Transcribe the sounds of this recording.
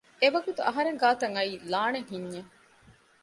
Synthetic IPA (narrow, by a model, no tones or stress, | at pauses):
eʋɐɡut̪uʔɐɦɐɾeŋɡaːt̪ɐŋɐiːlaːneŋɦiɲːe